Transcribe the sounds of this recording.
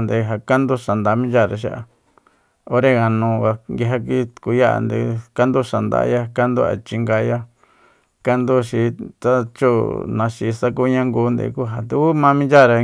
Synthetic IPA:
nd̪e˧ɦa˨ka˦nd̪u˦ʃa˨nd̪a˨˦mĩ˦nd͡ʒa˦˨ɾa˨ʃ̬a˦ʔa̰˧ | o˦ɾe˦ɣa˨nũ˧a˧ŋɡi˧ɦa˧k̬i˦ku˧˦ja˦ʔa̰˧nd̪ḛ˧ka˦nd̪u˦ʃa˨nd̪a̰˧˦ja˦ka˦nd̪u˦a̰˨t͡ʃi˧ŋɡa˧ja˦ | ka˦nd̪u˦ʃi˧t̪a˦t͡ʃo˦nã˧ʃi˧sa˦k̬u˦ɲã˦ŋɡuː˧˦nd̪ḛ˧ku˦ɦa˨d̪u˧kːmã˦mĩ˦nd͡ʒa˦˨ɾa˧

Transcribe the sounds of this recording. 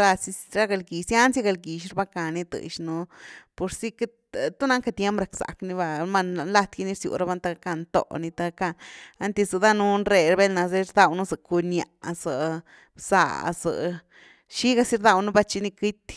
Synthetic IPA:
ɾa˧si˧ɾa˦ɡa˧lɡi˨sja˦nsja˦ɡa˧lɡi˨ʃɾba˧ka˧ni˧t̪ɨ̰˧˨ʃnu˧po˧ɾsi˦ke˦ | t̪u˦na˧˦ŋka˧t̪je˦mpɾa˨ksa̰˨kni˧βa˧ma˧na˧nla˧t̪ɡi˧ni˧ɾsjṵ˧ɾa˧ba˧nt̪a˧a˧ka˧nt̪o̰˨ʔni˧t̪a˧ka˧na˦nt̪i˧zɨ˨˧d̪a˦nu˦nre˧ɾbe˦lna˧ze˧ɾd̪a˧wnu˦zə˨ku˧nja̰˧˨ʔzə˨ | sa̰˧˨ʔzə̰˨ | ʃi˦ɡa˧si˧˦ɾd̪a˧wnu˦ba˧t͡ʃi˧ni˧ki˦t̪

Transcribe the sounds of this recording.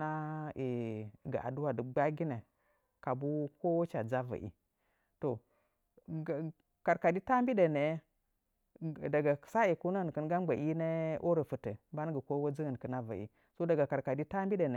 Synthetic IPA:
na˦i˨ɡa̰˨ʔa̰˨du˦wa˨də˨ɡ͡ba˦ɡi˦ne˨ | ka˨bu˦ko˦wt͡ʃa˨d͡za˦va̰˨ʔḭ˨ | to˨ | ka˨ɾka˨di˦ta˦mbi˦de˨ne˨˦ | da˨ɡa˨sa˦i˨ku˦nə˦ə˨n˨kə˦nɡa˦mɡ͡ba˨ʔi˦ne˦ʔo˦ɾə˨fə˨tə̰˨ba˦n˦ɡə˨ko˦wa˦d͡zi˦ɣə˨n˨kə˨na˦va̰˨ḭ˨ | so˦da˨ɡa˨ka˨ɾka˨di˦ta˦mbi˦de˨ne˨

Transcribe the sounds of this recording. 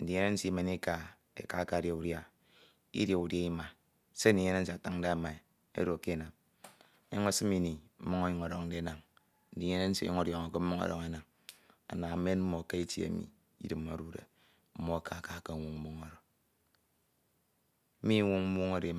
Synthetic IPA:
n̩˨di˨˦e˦ne˦n̩˦si˦me˨ni˦ka˨ | ḛ˨ka˦ka˨ɾja˨u˦ɾja˦ | ḭ˦dja˨u˨da˦i˦ma˨ | se˦n̩˦di˨˦ɲe˦ne˦n̩˦si˨a˨ta˦ŋ˦da˦ma˨i˨ | ḛ˦ɾo˨a˨ke˦˨na˨m˦ | a˦ŋo˦si˦mi˦ni˨m̩˦mu˦ŋo˦ɲo˨˦ŋo˨ɾo˨kn̩˦de˦na˨ŋ | n̩˦di˨˦ɲe˦ne˦n̩˦sḭ˦ɲḭ˦ŋo˦ɾjo˨ŋa˨ke˦m̩˦mu˦o̰˦ɾo̰˦ŋe˦na˨ŋ | a̰˨na˨˦me˦nm̩˦mo˨ka˦i˦tḭ˦ḛ˨mḭ˨ | ḭ˦dɨ˨ma˨ɾu˦ɾḛ˨ | m̩˦mo˦a˨kʰa˨ka˨ka˨˦wu˦ŋm̩˦mu˦ŋo˨ɾo˨˦ | mi˦ŋu˦ŋm̩˦mu˦ŋo˦ɾe˨˦

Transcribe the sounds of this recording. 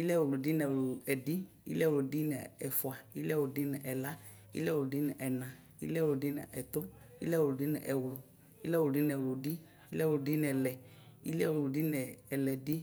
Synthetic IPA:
i˦lɛ˦˨wlo˨di˦nɛ˨lo˨ɛ˨di˦ḭ˦lɛ˦wlo˨di˦nɛ˨ɛ˨fu˨a˨i˦lɛ˦˨wo˨di˦nɛ˨ʔɛ˨la˦ | ḭ˦lɛ˦wo˨di˦nɛ˨ʔɛ˨nã˨ | ḭ˦lɛ˦wo˨di˦nɛ̰˨ɛ˨t̪o˦ | ḭ˦lɛ˦wo˨di˦nɛ˨ʔɛ˨wlo˨ | i˦lɛ˦wdi˦n˧ɛ˨wlo˨di˦ | i˦lɛ˦˨wo˨di˦n˨ɛ˨lɛ˨ | ḭ˦lɛ˦˨wlo˨di˦nɛ˨ɛ˨lɛ˨di˦

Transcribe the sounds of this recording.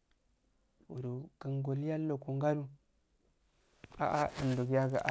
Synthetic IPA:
wu˨ɾu˨kə˨ŋɡo˨lja˦lo˨ku˨ŋɡa˦ɾu˦ | a̰˦˨ʔa˦ɗə˨n˨du˨ɡja˦ɡa˨ʔa˨

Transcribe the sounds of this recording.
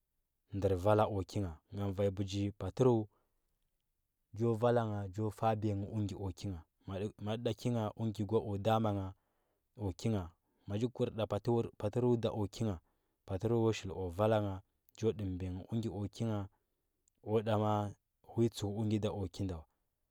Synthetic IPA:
ndə˨ɾva˦la˦ʔo˨ki˦ŋa˨ŋa˨n˨va˨i˨bu˨d͡ʒi˦pa˨ti˦ɾu˦ | d͡ʒo˦va˦la˦ŋa˨d͡ʒo˦fa˦be˨ŋi˨ʔu˦ŋɡi˨ʔo˨ki˦ŋa˨ | ma˨˦ɗa˨ki˦ŋa˨ʔu˦ŋɡʲi˨ɡʷa˦ʔo˨da˦ma˨ŋa˨ | o˨ki˦ŋa˨ | ma˨d͡ʒi˦ku˦ɾɗa˨pa˨tpa˨ti˦ɾu˦da˨ʔo˨kʰi˦ŋa˨ | pa˨ti˦ɾu˦wo˦ʃi˨lo˨va˦la˦ŋa˨ | d͡ʒo˦di˨mbe˨ŋə˨ʔu˦ŋɡʲi˨ʔo˨ki˦ŋa˨ | o˦da˨ma˦ | wi˦t͡su˨ku˦ŋɡʲi˦da˨ʔo˨ki˦nda˨wa˨

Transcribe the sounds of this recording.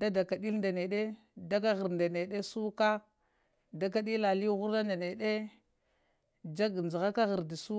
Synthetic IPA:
da˦da˨ka˨di˦lnda˨ne˨ɗe˦ | da˦ka˦ɣə˨ɾnda˨ne˨ɗe˦su˦ka˦ | da˨˦k̬a˦ɗi˦la˨li˦ɣu˦ɾda˦nda˨ne˨ɗe˦ | d͡ʒa˦ɡnd͡ʒa˨ɣa˦ka˦ɣə˨ɾdi˨su˦

